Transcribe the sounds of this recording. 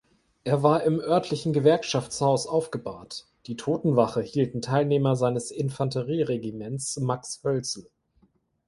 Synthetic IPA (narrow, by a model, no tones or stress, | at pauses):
ʔeːɐvaːɐɪmʔœɐtʰlɪçn̩ɡəvɛɐkʃaft͡shaʊsʔaʊfɡ̥əba̰ːt | d̥iːtʰoːtn̩vaχəhiːltn̩tʰaɪlneːmɐzaɪnəsɪnfantəʁiːʁeɡimɛnt͡smakshœlt͡sl̩